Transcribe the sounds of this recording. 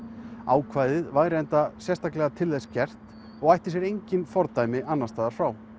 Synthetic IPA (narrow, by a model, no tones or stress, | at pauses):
aːwkʰvajðɪðvaːjɾɪɛjnt̪asjɛst̪aklɛɣat̪ʰɪlːejscɛr̥t̪ | ɔɣajht̪ɪ̥sjɛɾejɲcɪnfɔɾt̪ajmɪʔanːast̪aːðaɾ̥fɾaːw